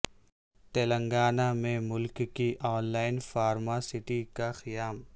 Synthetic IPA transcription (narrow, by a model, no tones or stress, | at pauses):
t̪eːlə̃ŋɡaːnamẽmʊlkkːiʔɔːnlaːɪnfaːɾmasɪʈikaxɪjaːm